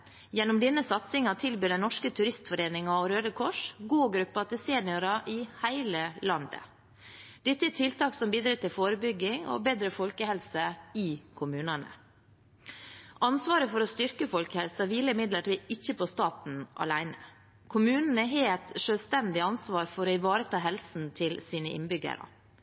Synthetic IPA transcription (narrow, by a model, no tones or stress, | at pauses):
jɛnːʊmd̪ɪnːəsɑt̪sɪŋɑt̪ʰɪlbyːd̪ɛnɔʂkət̪ʰʉɾɪst̪fɔɾeːnɪŋɑɔɾøːd̪əkʰɔʂɡuːɡɾʉpːɑt̪ɪseːnɪʊɾɑʔɪhæɪləlɑnd̪ə̰ | d̪̥ɛt̪ːəɛt̪ʰɪlt̪ʰɑːksɔmbiːd̪ɾɪt̪ʰːɪlfoːɾəbʏɡːɪŋɔ̰beːd̪ɾəfɔlkəhɛlsəɪkʰʊmʉːnɑnə̰ | ʔɑnsʋɑːɾəfɔɾɔst̪ʏɾkəfɔlkəhɛlsɑʋiːlːəɪmɪd̪ləʈiːɪçːəpʰɔst̪ɑːt̪n̩ʔɑ̰læɪnə̰ | kʰʊmʉːnn̩ɛɦeːɛt̪ʂøːlst̪ɛnd̪ɪɑnsʋɑːɾfɔɾoɪʋɑːɾət̪ʰɑːɦɛlsn̩t̪ʰɪlsiːnəʔɪ̰nbʏɡə̰ɾə̰